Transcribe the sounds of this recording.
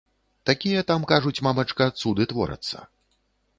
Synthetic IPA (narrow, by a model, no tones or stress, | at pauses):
t̪akʲijɐt̪amkaʐut͡sʲmamɐt͡ʂkɐt̪sud̪ɨt̪vɔ̰ɾɐ̰t̪sːɐ̰